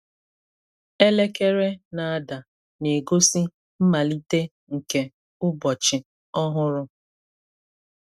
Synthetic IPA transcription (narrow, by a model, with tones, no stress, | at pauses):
e˦le˦ke˦ɾe˦na˨a˦da˨ | ne˨ɡo˦si˦ | m̩˦ma˨li˦te˦ | ŋ̩˨ke˨ | ʊ˦bɔ˨t͡ʃɪ˨ | ɔ˦ɦʊ˦ɾʊ˦